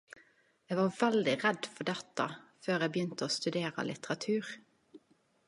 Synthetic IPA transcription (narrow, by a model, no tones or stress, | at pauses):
eːɡʋɑːʋɛld̪ɪʁɛd̪fɔɖ̪ɛt̪ɑ̰føːʁeːbəjʏnt̪əoːst̪ʉd̪eːʁə̰lɪ̰t̪əʁɑt̪ʰʉːʁ